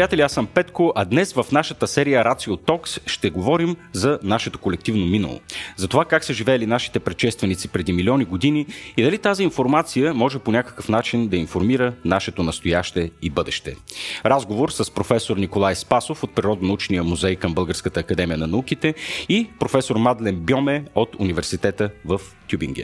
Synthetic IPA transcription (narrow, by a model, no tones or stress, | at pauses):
ɾijat̪ɛliasəmpɛt̪koʔɐd̪nɛsvəfnaʃət̪əsɛɾijəɾat̪siot̪ɔksʃt̪ɛɡovɔɾimzɐnaʃɛt̪o̥kolɛk̚t̪ivnominɐ̰lˠo̰zɐt̪ovakaksəʒivɛɛlinaʃi̥t̪ɛpɾɛt̪ʃɛst̪vɛnit̪sipɾɛd̪imilʲɔniɡod̪iniid̪ɐlit̪aziːnfoɾmat̪sijəmɔʒɛponʲakə̥kəfnat͡ʃind̪ɐinfoɾmiɾənaʃɛt̪onɐst̪ojaʃt̪ɛibɤd̪ɛ̰ʃt̪ɛ̰ɾazɡovoɾsəspɾofɛsoɾnikolˠajspasofot̪̚pɾiɾɔd̪nɐut͡ʃnijəmuzɛjkəmbɤlˠɡəɾskət̪əːkɐd̪ɛmijənɐnɐuk̟it̪ɛipɾofɛsoɾmad̪lɛmbjɔmɛot̪univɛɾsit̪ɛt̪əvəft̪jubḭŋɡʲɛ̰